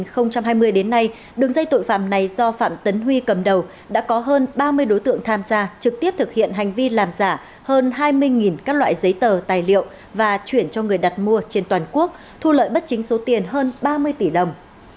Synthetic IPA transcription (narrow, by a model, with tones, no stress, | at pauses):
xə˧wŋ͡mt͡ɕa˧mɦaː˧jmɨ˧əjɗe˨˦nːa˧j | ɗɨ˨˩əŋza˧jt̪o̰˧˨jfa̰ː˧˨mna˨˩jzɔ˧fa̰ː˧˨mt̪ə˨˦nɦwi˧kə˨˩mɗə˨˩w | ɗa̰ː˧˥kɔ˨˦ɦəː˧nɓaː˧mɨ˧əjɗo˨˦jt̪ɨ̰˧˨əŋt̪ʰaː˧mzaː˧t͡ɕɨ˨˩k̚t̪i˦˥əp̚t̪ʰɨ˨˩k̚hḭ˧˨ənɦa˨˩jŋ̟vi˧laː˨˩mzaː˧˩ | həː˧nɦaː˧jmɨ˧əjŋi˨˩nkaː˦˥k̚lwa̰ː˧˨jzə˨˦jt̪əː˨˩t̪aː˨˩jlḭ˧˨ə˨w | vaː˨˩t͡ɕwi˧˩ənt͡ɕɔ˧ŋɨ˨˩əjɗa˨˩t̚mu˧ət͡ɕe˧nt̪waː˨˩nku˦˥ək̚ | t̪ʰu˧lə̰ː˧˨jɓə˦˥t̚t͡ɕï˨˦ŋ̟so˨˦t̪i˨˩ənɦəː˧nɓaː˧mɨ˧əjt̪i˧˩ɗə˨˩wŋ͡m